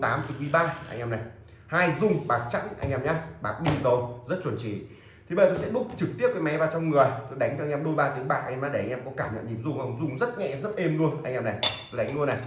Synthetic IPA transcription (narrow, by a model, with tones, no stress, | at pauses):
t̪aː˨˦mt̪ʰɨ˨˩kwi˧˩ɓaː˧ʔa̰˧ŋ̟ʔɛː˧mna˨˩j | haː˧jzʊ˧ŋ͡mɓaː˨˩k̚t͡ɕa̰˧˥ŋʔa̰˧ŋʔɛː˧mɲaː˨˧ɓaː˨˩k̚ɗi˧zo˨˩jzə˦˥t̚t͡ɕwə˨˩nt͡ɕḭ˧˩ | t̪ʰi˨˩ɓe˧˨˩t̪o˧sɛ̰˧˥˦ɗʊ˦˥k͡p̚t͡ɕɨ˨˩k̚t̪i˦˥əkːmɛ˨˦vaː˨˩t͡ɕɔ˧ŋ͡mŋɨ˨˩əjt̪o˧jɗa˨˦ŋ̟t͡ɕɔ˧ŋʔɛː˧mɗo˧jɓaː˧˩t̪i˨˦əŋɓa̰ː˨˩k̚ʔa˧naː˧˦ɗe˧˩a˧ŋ̟ʔɛ˧mkɔ˨˦kaː˧˩mɲə̰˧˨nɲi˧˩mzʊ˧ŋ͡mha˧˩wŋ͡mzʊ˧ŋ͡mzə˦˥t̚ŋɛ̰˧zə˦˥t̚ʔe˧mlu˧ənʔa˧jŋʔɛː˧na˨˩jt̪o˧jɗa˨˦jŋ̟lu˧əna˨˩j